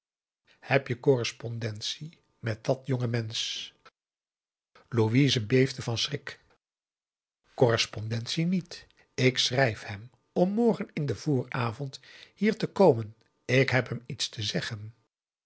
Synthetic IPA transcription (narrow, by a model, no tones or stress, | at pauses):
hɛpjəkɔrəspɔndɛntsi | mɛt̚dɑtjɔŋəmɛns | luʋiːzəbejvdəvɑnsrɪk | kɔrəspɔndɛntsinit | ɪksrɛjfhɛm | ɔmːɔɹχənɪndəv̥ʊːɹaːvɔnthiːɹtəkowmən | ɪkɦɛpɦɛmitstəzɛχən